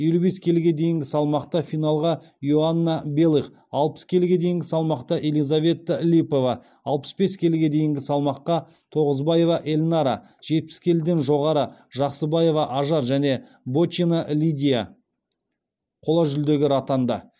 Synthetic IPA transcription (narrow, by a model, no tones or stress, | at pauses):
je̞lube̞skʲʰe̞lɪɡʲe̞d̪e̞jɪŋɡʲɪsɑlˠmɑqt̪ɑfijnɑlˠʁɑ | joanːabe̞lˠiχ | ɑlˠpə̥skʲʰe̞lɪɡʲe̞d̪e̞jɪŋɡʲɪsɑlˠmɑqt̪ɑʔe̞lijzave̞t̪ːəlʲipo̞vɑ | ɑlˠpə̥sbe̞skʲʰe̞lɡʲe̞d̪e̞jɪŋɡʲɪsɑlˠmɑqːɑ | t̪ʰo̞ʁəzbɑje̞vɑʔe̞lʲnɑɾɑ | ʒ̥e̞t̪̚pɪ̥skʲʰe̞ld̪enʒo̞ʁɑɾəʒɑqsəbɑje̞vɑʔɑʒɑɾʒæne̞ | bot͡ʃinaʔlʲid̪ʲija | qʰo̞lˠɑʒʏld̪e̞ɡʲɪɾat̪ɑnd̪ɑ̰